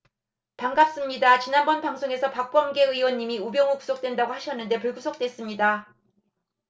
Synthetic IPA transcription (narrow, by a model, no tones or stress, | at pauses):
paŋɡap̚s͈ɯmɲidat͡ɕinanbʌnpaŋsʰoŋe̞sʰʌpak̚p͈wʌŋɡe̞ɯiwʌnːimiubjʌŋɯku̥sʰok̚t͈we̞ndaɡohaɕʰʌnːɯnde̞pɯɭɡusʰok̚t͈we̞s͈ɯmɲida